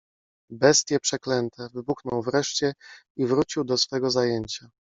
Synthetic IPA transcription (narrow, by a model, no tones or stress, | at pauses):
bɛst̪ʲjɛpʂɛklɛnt̪ɛvɘbuxnɔwvɾɛʂt͡ɕɛ | ivɾut͡ɕiwd̪ɔsfɛɡɔzajeɲt͡ɕa